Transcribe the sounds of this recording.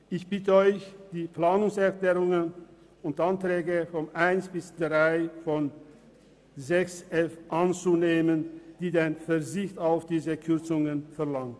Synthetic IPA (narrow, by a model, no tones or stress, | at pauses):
ʔɪçb̥ɪtəɔʏçd̥iːpl̥aːnʊŋsɛɐklɛːʁʊŋən | ʊntʔantʁ̥ɛːɡəfɔnʔaɪnsb̥ɪsd̥ʁaɪfɔn | zɛksʔɛfʔant͡suneːmənd̥iːdeɪnfɛɐzɪçtaʊfd̥iːzəkʰʏɐt͡sʊŋənfɛɐlaŋt